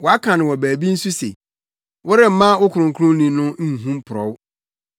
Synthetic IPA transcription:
wɔ˨a˦kʰã˨nʊ̃˨wɔ˨bæː˨bi˦n̩˦su˦sḛ˨ | wʔʊ˦ɾɪ˦m̩˦mã˦wʊ˦kʰʊ˨ɾʊ̃˨ŋkʰʊ˦ɾʊ̃˦nĩ˨nʊ̃˦n̩˦˨ɦũ˦mpʰʊ˨ɾɔ̰˨˦w

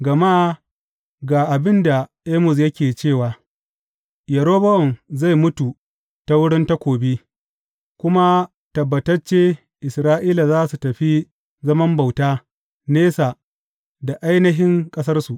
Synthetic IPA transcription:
ɡɐ˨ma˦ | ɡaː˨ʔa˨bɪ˦nda˨ʔeː˦mʊ˨s̬jɐ˦kʲeː˨t͡ʃeː˦˨waː˨ | jɐ˨ɾoː˦bɐ˦ʔɔ˨nza˦˨jmʊ˦tu˨ | ta˦wʊ˦ɽɪ˦nta˦kʷoː˨beː˦ | kʷʊ˦ma˦ | tɐ˨bːɐ˨tɐ˦rt͡ʃeː˦ | ʔɪ˨sɾaː˦ʔiː˦la˨zaː˦su˨tɐ˨ɸi˦ | zɐ˦mɐ˦mba˨wtaː˦ | neː˦sa˨ | da˨ʔa˦jnɐ˦ɦɪ˦ŋkʼɐ˦sɐ˦rsu˨ʔ

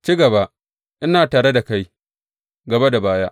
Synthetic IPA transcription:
t͡ʃiː˦ɡɐ˨ba˦ | ʔɪ˦naː˨taː˨ɽe˦da˨ka˦j | ɡɐ˨ba˦da˨baː˦ja˦ʔ

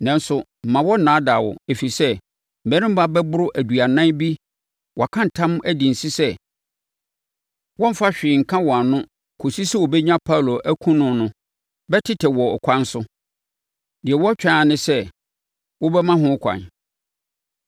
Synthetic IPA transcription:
nã˨n˦sʊ˨m̩˨mã˨wɔ˦nã˨˦da˨wɔ̰˨e˨fi˨sɛ˦ | m̩˨æ˦ɾɪ̃˦m̩˦ba˦bɛ˦bʊ˦ɾʊ˦ʔæ˨du˨a˨nã˦bi˦ | wʔɔ˨kʰã˦n˨tʰã˦m˦æ˦di˨n̩˨si˦sɛ˦ | wɔ̃˦m̩˦fa˦ɕᶣɪ˨ŋ̩˨kʰã˦wɔ˨a˨nʊ̃˦ | kʰo˨si˦sɛ˦wɔ˨bɛ˦ɲã˦pʰa˦˨lo˨ʔæ˦kʰũ˦nʊ̃˨nʊ̃˦ | bɛ˦tʰɪ˦tʰɛ˨wɔ˨ɔ˨kʷʰã˦n˦sʊ˦ | dɪ˨ɛ˨wɔ˦t͡ɕᶣa˦˨nɪ̃˦sɛ˦ | wɔ˦bɛ˦mã˦ɦʊ̃˦kʷʰã̰˨n

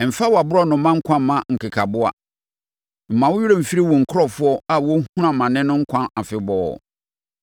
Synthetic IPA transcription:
m̩˨fa˦wɔ˨a˨bʊ˦ɾɔ˦nʊ̃˨˦mã˦ŋ̩˦kʰã˦mã˨ŋ̩˨kʰɪ˨kʰa˨bʊ˦a̰˨ | m̩˨mã˨wʊ˦ji˦ɾa˦m̩˨fi˦ɾi˦wɔ̃˨ŋ̩˨kʰʊ˦ɾɔ˦fʊ˦ɔ˦a˦wɔ˦hu˦ã˨mã˨nɪ̃˦nʊ̃˦ŋ̩˦kʷʰã˦na˨fɪ˨bɔ̰ː˨

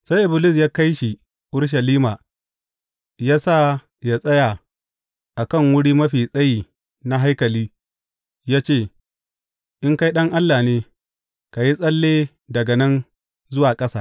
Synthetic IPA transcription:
sa˦jʔɪ˨bɪ˨lɪ˦˨s̬jaː˦ka˦jʃi˨ | ʔʊ˦ɽʃ̬ɐ˨liː˦maː˨ | jaː˦saː˦˨ | ja˦˨sʼɐ˦ja˨ | ʔa˨kɐ˦˨ŋwʊ˦ɽiː˦mɐ˦ɸiː˨sʼɐ˦jiː˨ | na˦ɦa˦jkɐ˨liː˦ | jaː˦t͡ʃeː˦˨ | ʔɪ˦ŋka˦jɗɐ˦ŋʔa˦lːaː˨neː˦ | ka˨ji˦sʼɐ˦lːeː˦ | dɐ˨ɡɐ˨nɐ˦n | zʊ˦waː˨kʼɐ˦saː˦

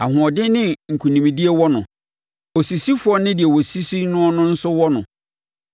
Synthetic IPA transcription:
a˨ɦʊ̃˨ɔ˨dɪ˦nɪ̃˦˨ŋ̩˨kʰu˨nĩ˨mĩ˨di˦e˦wɔ˦nʊ̃˨ | ɔ˨si˨si˦fʊ˨˦ɔ˦nɪ̃˦dɪ˨ɛ˨wɔ˨si˦si˦nʊ̃˦ɔ˦nʊ̃˦n̩˦sʊ˦wɔ˦nʊ̃˨

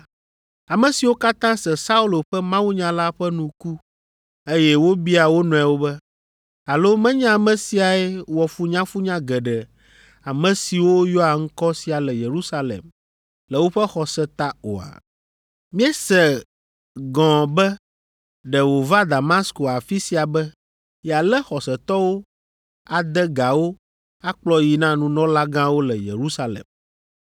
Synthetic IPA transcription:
a˨mɛ̃˨si˨wo˦ka˦t̪ã˦sɛ˨sa˦u˦lo˨ɸɛ˦mã˦wu˦ɲã˨˦la˦ɸɛ˦nũ˨ku˦ | e˦jɛ˦wo˦bi˦a˨wo˦nɔ̃˨a˨wo˦bɛ˦ | a˨lo˦mɛ̃˦ɲã˦a˨mɛ̃˨si˨a˨ɛ˦wɔ˨fu˦ɲã˦fu˦ɲã˦ɡɛ˨ɖɛ˨ | a˨mɛ̃˨si˨wo˦jɔ˦a˨ŋ̩˦kɔ˦si˨a˨lɛ˨je˨ɾu˦sa˦lḛ˨m | lɛ˨wo˦ɸɛ˦xɔ˨sɛ˦t̪a˦o̰˨a̰˨ | mĩ˦ɛ˦sɛ˨ | ɡɔ̃˨bɛ˦ | ɖɛ˨wo˨va˦d̪a˨ma˦sko˨a˨fi˦si˨a˨bɛ˦ | jɛ˨a˨lɛ˦xɔ˨sɛ˨t̪ɔ˦wo˦ | a˨d̪ɛ˦ɡa˨wo˦ | a˦k͡plɔ˦ji˨nã˦nũ˦nɔ̃˦la˦ɡã˦wo˦lɛ˨jḛ˨ɾu˦sa˦lḛ˨m

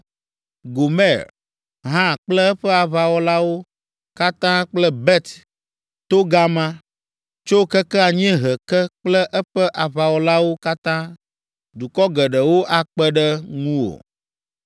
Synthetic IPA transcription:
ɡo˨mɛ˦˨ɾ | ɦã˦k͡plɛ˦ɛ˦ɸɛ˦a˨βa˨wɔ˦la˦wo˦ | ka˦t̪ã˦k͡plɛ˦bɛ˦t̪ | t̪o˦ɡa˦mã˦ | t͡ʃo˦kə˦kɛ˦a˨ɲ˦ɛ̃˦ɦɛ˨kɛ˦k͡plɛ˦ʔɛ˦ɸɛ˦ʔa˨βa˨wɔ˨la˦wo˦ka˦t̪ã˦ | d̪u˨kɔ˦ɡə˨ɖə˨wo˦ʔa˦k͡pɛ˦ɖə˦ŋũ˦wo̰˨

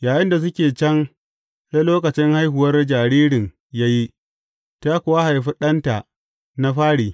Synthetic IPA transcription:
jaː˨jɪ˦nda˨s̬ʊ˦kʲeː˨t͡ʃɐ˦ŋ | sa˦loː˦kɐ˨t͡ʃɪ˦ŋha˦jɦʊ˨wɐ˦rd͡ʒaː˨ɽiː˦ɽɪ˨ŋ | jaː˦ji˦ | taː˦kʷʊ˨wa˦ha˨jɸi˦ɗɐ˦nta˨ʔ | na˦ɸaː˦ɽiː˨

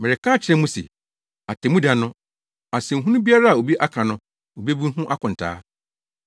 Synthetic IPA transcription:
mɪ˨ɾɪ˨kʰãː˦t͡ɕʰɪ˦ɾɛ̃˦mũ˦sḛ˨ | a˨tʰɛ˨mũ˦da˨nʊ̃˦ | a˨sɛ̃˨ŋ̩˨ɦũ˦nʊ̃˦bi˦a˦ɾa˦a˨o˨bi˦ʔa˦kʰã˨nʊ̃˦ | o˨bi˦bĩ˦n˦ɦũ˦ʔa˦kʰʊ̃˨n̩˨tʰa̰ː˦

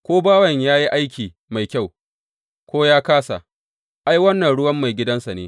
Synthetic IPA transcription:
kʷoː˦baː˦wɐ˨ɲjaː˦ji˦ʔa˦jkʲʰiː˨ | ma˨jkʲa˦˨w | kʷoː˦jaː˦kaː˦sa̰˨ | ʔa˦jwɐ˦nːɐ˨nɽʊ˦wɐ˦mːa˨jɡʲɪ˦dɐ˦nsa˨neː˦

